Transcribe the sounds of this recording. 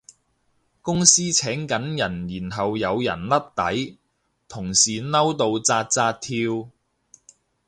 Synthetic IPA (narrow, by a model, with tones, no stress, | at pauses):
kʊ˥ŋsiː˥t͡sʰɛː˨˥ŋkɐ˨˥njɐ˨˩njiː˨˩nɦɐ˨wjɐ˨˧wjɐ̰˨˩nlɐ˥t̚t̪ɐ˨˥j | t̪ʰʊ˨˩ŋsiː˨nɐ˥wt̪o˧wt͡saː˧t̚t͡saː˧t̚t̪ʰiː˧w